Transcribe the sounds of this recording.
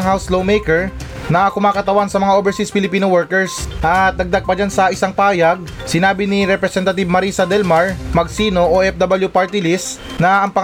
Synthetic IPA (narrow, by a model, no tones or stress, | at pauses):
ŋhawslowmɛjkɛɹ | nɐkʊmaːkɐt̪ɐwansɐmɐŋaʔobɛɹsispɪlɪpiːnowɛɹkɛɹsʔɐt̪̚d̪ɐɡ̚d̪aɡ̚pɐd͡ʒansɐʔɪsaŋpaːjɐɡ̚ | sɪnaːbɪnɪɾɛpɾɛsɛnt̪ɐt̪ib̚mɐɾiːsɐd̪ɛlmɐɹmɐɡsiːno̞ʔoʔɛfd̪abɐljupaɹt̪ɪlis | nɐʔɐŋpɐ